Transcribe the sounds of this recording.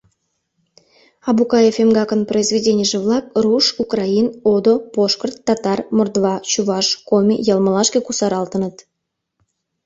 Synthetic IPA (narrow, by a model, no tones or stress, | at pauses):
ɑbukɑjefʲemɡɑkənproizvʲedʲenʲɪjəʒevlˠɑk̚ruʃukrɑinod̪opoʃkərt̪ːɑt̪ɑrmord̪βɑt͡ɕuβɑʃkomʲijɑlˠməlˠɑʃkekusɑɾɑlˠt̪ənət̪